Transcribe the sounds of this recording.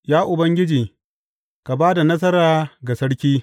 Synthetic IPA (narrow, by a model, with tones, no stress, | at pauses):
jaː˦ʔʊ˨bɐ˦ŋɡʲɪ˦d͡ʒiː˨ | ka˨baː˦da˨nɐ˦s̬ɐ˦ɾaː˨ɡa˨sɐ˦ɽkʲiː˦